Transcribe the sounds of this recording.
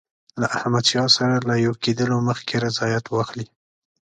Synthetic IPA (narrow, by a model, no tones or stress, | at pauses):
laʔahmad̪ʃɑsaɾalajoked̪əloməxkʰeɾazɑjat̪wɑxli